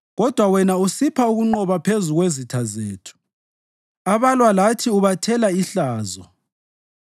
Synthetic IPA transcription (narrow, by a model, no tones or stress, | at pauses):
ɣɔd̥ʱwawɛnausipʰauɣuŋ͡ǃɔβapʰezuɣwezitʰazeːtʰu̥ | aβalwalatʰiuβatʰɛlaiɬaːzɔ